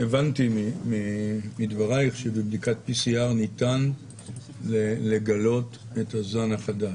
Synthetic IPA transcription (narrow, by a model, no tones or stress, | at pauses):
evantimimimidvaʁaiχʃebebdikat̚pisiaʁnitan | lele̞ɡalo̞tetazmanaχadaʃ